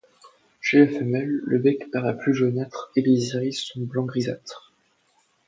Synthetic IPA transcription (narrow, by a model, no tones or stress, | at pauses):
ʃeafɛmɛlːəbɛkpaʁlaplyʒonat̪χeleziʁisɔ̃blɑ̃ɡʁizat̪χ